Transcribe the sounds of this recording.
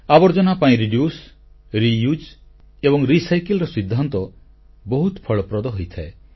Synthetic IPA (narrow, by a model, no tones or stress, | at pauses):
abɔɾd͡ʒɔnapaĩɾiɖjus | ɾijud͡ʒ | ebɔŋɾisajkelɾɔsid̪ʱːant̪ɔ | bɔɦut̪pʰɔɭɔpɾɔd̪ɔɦojt̪ʰae